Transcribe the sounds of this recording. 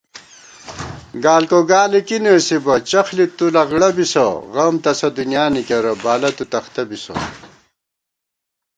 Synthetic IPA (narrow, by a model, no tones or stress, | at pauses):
ɡaːlkoɡaːlikinəsibɐt͡ɕɐxlit̪ulɐɣɽɐbiso̰ɣɐmt̪ɐsɐd̪unjaːnikeɾɐbaːlɐt̪ut̪ɐxt̪ɐbiso̰